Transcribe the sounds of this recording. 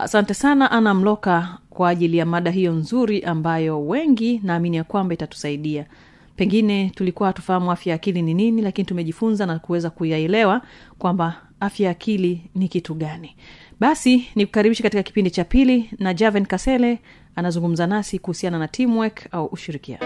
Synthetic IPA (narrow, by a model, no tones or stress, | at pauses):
a̰santɛsanaʔanam̩lɔkakwaːʄilijamaɗaɦijɔnzuɾiʔambajɔwɛŋɡinaːminijakwambaitatu̥saiɗia | pɛŋɡinɛtulikuwahatu̥fahamuafjajakilinininilakinitumɛʄifunzanakuwɛzakujaɛlɛwakwamba | afjajakʰilinikituɠaniɓasiniku̥kaɾiɓiʃɛkatikaki̥pindit͡ʃapilinad͡ʒavɛnkasɛlɛ | anazuŋɡum̩zanasikuhusiananatʰimwɛkauʔuʃiɾikia̰